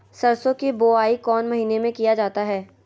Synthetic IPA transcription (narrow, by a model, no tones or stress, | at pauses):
sɐɾsõkiboːaːikɔːnmɐɦiːnemẽkijad͡ʒaːt̪aɦɛː